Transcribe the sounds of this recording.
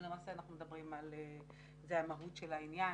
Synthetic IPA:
lemaːseanaχnume̞dabʁimale | zeamaɦutʃelainja

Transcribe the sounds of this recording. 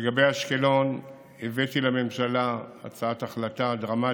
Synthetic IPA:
eɡabejaʃkelo̞n | evetilame̞mʃalaa̰t͡saataχlatadʁama

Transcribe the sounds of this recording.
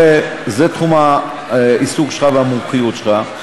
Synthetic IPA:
ezet̪χumha | isuɡʃχaveamumχijut̪ʃχa

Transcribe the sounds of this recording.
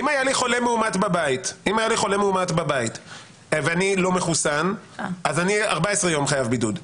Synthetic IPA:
imajaliχo̞lemeumat̪babaitimajaliχo̞le̞meumat̪babait | veanilo̞meχusan | azaniaʁbaesʁejo̞mχajavbidud

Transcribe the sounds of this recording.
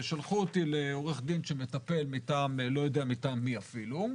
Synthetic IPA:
ʃalχuot̪ileo̞ʁeχd̪inʃemet̪ape̞lmit̪aːmlo̞jo̞d̪eamit̪aːmːiafilu

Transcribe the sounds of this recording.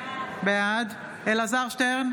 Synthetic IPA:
bead̪ | elazaʁʃt̪eʁn

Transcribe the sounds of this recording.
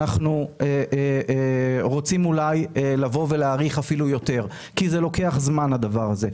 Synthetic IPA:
aχnue | ʁo̞t͡simulajelavo̞ve̞leaːʁiχafilujo̞t̪e̞ʁ | kizelo̞ke̞aχzmanhad̪avaʁaze̞

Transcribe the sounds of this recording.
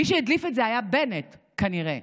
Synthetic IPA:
iʃejidlifetzeajabenet | kaniʁe

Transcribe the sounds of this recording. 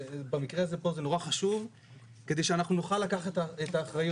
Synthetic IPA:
bamikʁeazepo̞zeno̞ʁaχaʃuv | ked̪ejʃeanaχnunoχalːakaχetaet̪aːχʁajo

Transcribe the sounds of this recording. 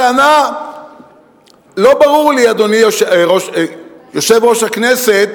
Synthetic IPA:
ana | lo̞baʁuʁliad̪o̞nioʁoʃjoʃevʁo̞ʃhakneset̪̚

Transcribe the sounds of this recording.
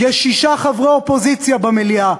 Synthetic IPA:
jɛʃiʃaχavʁeopo̞zit͡sjabamelia

